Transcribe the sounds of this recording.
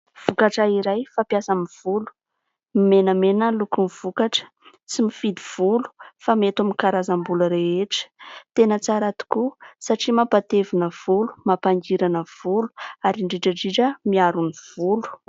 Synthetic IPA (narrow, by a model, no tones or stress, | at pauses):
v̥ukaʈ͡ʂaiɾajfapjasamiv̥ulu̥ | mimenəmenəlukumiv̥ukaʈ͡ʂə̥ | t͡simifid̪iv̥ulu̥famet̪wamikaɾazambuləɾeeʈ͡ʂə̥t̪enət͡saɾat̪u̥kusaʈ͡ʂimapat̪evinəv̥ulu̥mapaŋɡiɾanəv̥ulu̥aɾiɳɖ͡ʐiʈ͡ʂəɖ͡ʐiʈ͡ʂəmiaɾuniv̥ulu̥